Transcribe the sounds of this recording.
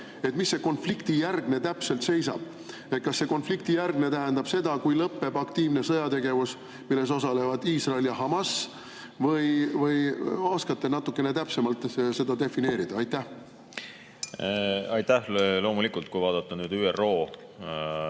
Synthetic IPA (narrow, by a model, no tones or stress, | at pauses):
e̞t̪misːe̞ko̞nflikt̪ijærɡ̥ne̞t̪æpse̞lt̪se̞jsɑ̰b̥ | e̞t̪̚kɑsːe̞ko̞nflikt̪ijærɡne̞t̪æɦænd̪ɑb̥se̞d̪ɑkujlɤpːe̞b̥ɑkt̪iːvne̞sɤjɑt̪e̞ɡe̞vus | milːes̬o̞sɑle̞vɑd̪̥iːsrɑeljɑɦɑmɑs | vɤjvɤjɑskɑt̪ːe̞nɑt̪ːˑukːˑe̞ne̞t̪æpse̞mɑlt̪se̞d̪ɑd̪e̞fine̞ːɾid̪̥ɑɑjt̪ːæh | ɑjt̪æhlo̞ːmulikult̪̚kujvɑːd̪̥ɑt̪ːˑɑnyːd̪yːero̞ː